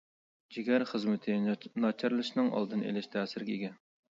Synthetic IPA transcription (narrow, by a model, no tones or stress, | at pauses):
d͡ʒiɡʲæɾχəzmɪt̪ʰɪnɑt͡ʃʰɑɾlˠɨʃnɨŋʔɑ̰lˠd̪ɨnḛlɪʃt̪ʰɛːsɪɾɡʲɛiɡʲɛ